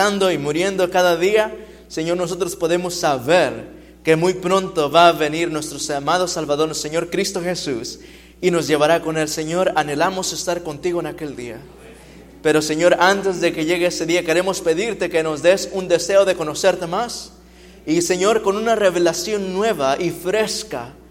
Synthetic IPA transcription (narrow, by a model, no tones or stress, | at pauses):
and̪o̞imuɾje̞nd̪o̞kaðaðia | seɲo̞ɾno̞s̬ot̪ɾospo̞ðe̞mo̞sːaβe̞ɾ | ke̞mujpɾo̞nt̪o̞βaːβe̞niɾnwest̪ɾosamaðo̞salβaðo̞ɾseɲo̞ɾkɾist̪oxe̞sus | ino̞zʝe̞βaɾako̞ne̞lse̞ɲo̞ɾane̞lamo̞se̞st̪aɾko̞nt̪iɣoenake̞ld̪ia | pe̞ɾo̞se̞ɲo̞ɾant̪e̞zðe̞ke̞ʝe̞ɣeese̞ðiake̞ɾe̞mospe̞ðiɾt̪e̞ke̞no̞zd̪e̞sund̪e̞se̞oðe̞ko̞no̞se̞ɾt̪emas | ise̞ɲo̞ɾko̞nunareβelasjo̞nːwe̞βaʔifɾe̞ska̰